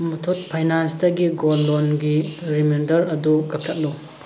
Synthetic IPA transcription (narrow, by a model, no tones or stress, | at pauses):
mɐtʰot̚pʰajnanstɐɡiɡolːonɡiɾimendɐɾɐdukɐk̚tʰɐt̚lu